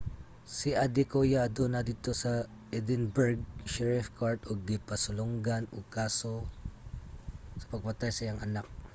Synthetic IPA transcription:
siʔɐd̪ɪkojad̪onɐd̪it̪o̞sɐ | ʔɛd̪ɪnbɛɹɡ̚ʃɛɹɪfkaɹt̪ʔoɡ̚ːɪpɐsʊloŋɡanʊkaːso | sɐ̥pɐɡ̚pɐt̪ajsɐjaŋʔɐ̰nak̚

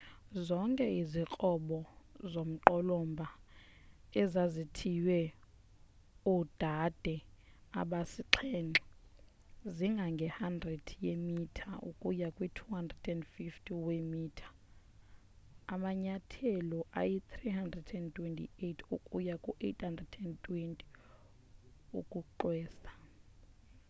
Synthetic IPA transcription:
zɔŋkʼɛizik͡xʼɔɓɔzom̩ǃɔlɔmbʱa | ɛzazitʰiwɛ | ud̥ʱad̥ʱɛaɓasiǁʰɛːŋ͡ǁʱɔ | ziŋɡʱaŋɡʱɛhandrɛd̥ʰʱjemitʰaʔṵkʼujakʼwitʰuhandrɛd̥ɛndfiftʰʼiwemiːtʰḁ | maɲatʰɛlɔʔa̰jit̪ʰriɦandrɛdɛntʼwentʼḭetʰukʼujakʼuʔethandrɛdɛntʼwentʼi̥ | ṵkʼuǃwɛːsḁ

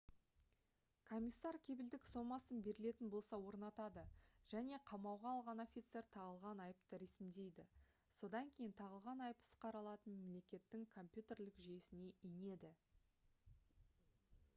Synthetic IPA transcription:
kʰo̞mʲisːɑɾkʲʰe̞bɪld̪ɪkso̞mɑsənbe̞ɾɪle̞t̪ɪnbo̞lˠsɑwo̞ɾnɑt̪ɑd̪əʒ̥æne̞qʰɑmɑwʁɑːlˠʁɑno̞fʲit̪se̞ɾt̪ʰɑʁəlˠʁɑnɑjəpt̪əɾe̞sɪmd̪e̞jd̪ɪ | so̞d̪ɑŋkʲʰe̞jɪnt̪ʰɑʁəlˠʁɑnɑjəpə̥sqɑɾɑlˠɑt̪ənmemle̞kʲe̞t̪ːɪŋkʰo̞mpʲjut̪e̞ɾlɪkʒije̞sɪne̞ijne̞d̪ɪ

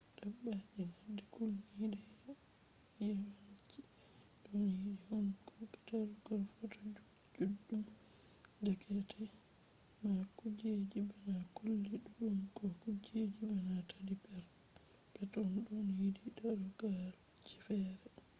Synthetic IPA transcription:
dabːad͡ʒinadːɛkulnidɛ | jawat͡ʃi | ɗɔnidihunkɔktaɾɡɔlfɔtɔ | d͡ʒudːum | dɛkɛtʰɛ | makud͡ʒed͡ʒibanakulːiɗuɗumkɔkud͡ʒed͡ʒibanatʰadipɛɾ | b̥ɛtɔnɗɔnjidiɗaɾɡalu | d͡ʒifɛɾɛ

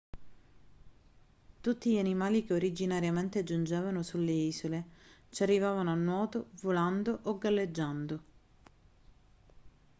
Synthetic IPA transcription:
t̪ut̪ːiʎanimaːlik̟eoɾid͡ʒinaɾjament̪ed͡ʒund͡ʒɛːvanosulːeiːsolet͡ʃarːivaːvanoanːwɔːt̪ovoland̪oʔoɡːalːed͡ʒːand̪o

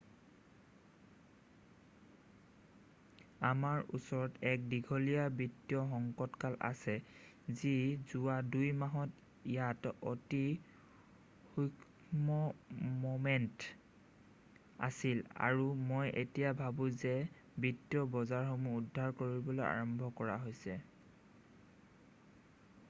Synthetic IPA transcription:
amaɹṵsɔɹɔtɛk̚diɡʱɔlijabitːjɔxɔŋkɔtkalʔa̰sɛ | zizuwadujmaɦɔt | ijatoti | xuk | mɔmomɛnt | a̰sila̰ɹumojʔetijabʱabũzɛ | bitːjɔbɔzaɹxomuːdʱːaɹkoɹibɔloja̰ɹɔmbʱɔkɔɹa̰ɦojsɛ

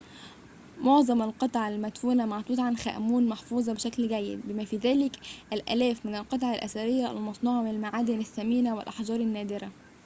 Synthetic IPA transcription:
moʕzˤɑmælqɑt̪ˤʕalmæt̪fuːnæmaʕt̪uːt̪ʕanxæ̰ːʔmuːnmɑħfuːzˤɑbɪʃæklɡæjːɪ̰d̪̚bɪmæfiːðæːlɪkʔælʔæ̰læːfmɪnælqɑt̪ˤʕɑlʔæ̰sæɾɪjːææ̰lmɑsˤnuːʕɑmɪnalmaʕaːd̪ɪnæsːæmiːnæwɪlʔɑħd͡ʒɑːɾˤanːæːd̪ɪɾæ

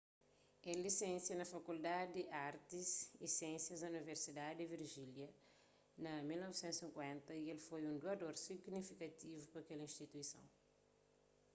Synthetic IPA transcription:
ɛlisẽnsjɐnɐfɐkuld̪ad̪iʔaɾt̪isisɛ̃nsjɐzd̪ɐuniveɾsid̪ad̪d̪iviɾʒiljɐ | nɐmilnɔvisẽnt̪usĩŋkwɛ̃nt̪ɐielfojũnd̪uɐd̪oɾsiɡnifikɐt̪ivupɐɐkɛlɐĩʃt̪it̪uisɐ̰̃w̃

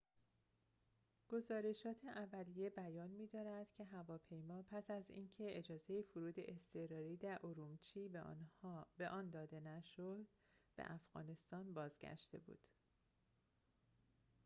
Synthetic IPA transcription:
ɡ̥o̞zɒːɾe̞ʃɒːt̪ʰeʔævælije̞bæjɒːnmiːd̪ɒːɾæd̪̥cʰe̞ɦævɒːpʰe̞jmɒːpʰæsæzḭːncʰe̞ed͡ʒɒːze̞jefoɾuːd̪e̞̰ʔest̪ʰe̞ɾɒːɾiːd̪æɾʔoɾumt͡ʃʰiː | beʔɒːnd̪ɒːd̪e̞næʃod̪ | b̥ḛʔæfɣɒ̰ːne̞st̪ɒːnbɒːzɟæ̰ʃt̪e̞̰bṵːd̪̥

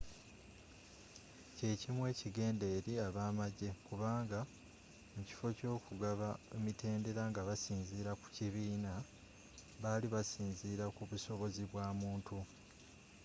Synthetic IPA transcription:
ce̞cimwe̞ːciɡe̞ːnde̞ːɾiaβaːmaɟe̞kuβaːŋɡa | muci̥fo̞co̞ːkuɡaβaemitʰe̞ːnde̞ɾaŋɡaβasiːnziːɾaku̥ciβiːna | βaliβasiːnziːɾakuβuso̞βo̞ziβwaːmuːntʰu

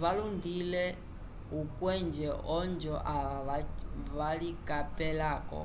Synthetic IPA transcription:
βalund̪ilɛ | ɦukʼwɛnd͡ʒɛɔnd͡ʒɔʔa | βalikʼapʼɛlaːkʼɔ̰

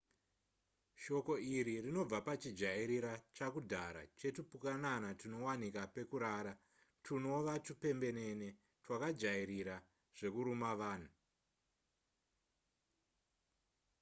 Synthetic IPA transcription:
ʃo̞ko̞iɾirino̞b͡vapat͡ʃid͡ʒaiɾiɾat͡ʃakudʱaɾa̰t͡ʃe̞tupukananatuno̞wanikape̞kuɾaːɾa | tʰuno̞ʋatupe̞mbe̞ne̞ne̞ | twakad͡ʒaiɾiɾa | ʐ̥e̞kuɾumaʋaːn̤u

